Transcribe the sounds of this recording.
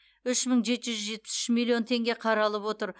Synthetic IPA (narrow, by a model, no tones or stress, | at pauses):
ʏʃməɴʒe̞t̪ʒʏzzʒe̞t̪̚pɪ̥sʏ̥ʃmilˠio̞nt̪ʰe̞ŋɡʲeqʰɑɾɑlˠəpwo̞t̪əɾ